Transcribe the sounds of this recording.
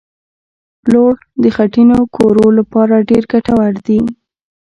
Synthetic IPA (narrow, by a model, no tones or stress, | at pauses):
loɽ | d̪əxaʈinokʰoɾolapɑɾaɖeɾɡaʈawaɽd̪i